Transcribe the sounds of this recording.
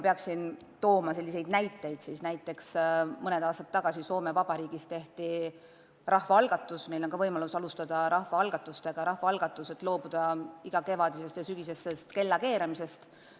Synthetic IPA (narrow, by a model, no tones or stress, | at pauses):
peɑksin | t̪o̞ːmɑse̞lːise̞jd̪næjt̪ːˑe̞jd̪̥sisnæjt̪ːˑe̞ksmɤne̞d̪̥ɑːst̪ɑt̪ːɑɡ̥ɑsiso̞ːme̞vɑb̥ɑɾiːɡ̥ist̪e̞ht̪i | rɑhvɑɑlɡ̥ɑt̪ːˑusnejlo̞nkɑvɤjmɑlusɑlust̪ɑd̪̥ɑɾɑhvɑɑlɡ̥ɑt̪ːˑust̪eɡ̥ɑɾɑhvɑɑlɡ̥ɑt̪ːˑuse̞t̪ːˑlo̞ːb̥ud̪̥ɑiɡ̥ɑke̞vɑd̪̥ise̞st̪jɑsyɡ̥ise̞sːest̪ke̞lːɑke̞ːɾemise̞st̪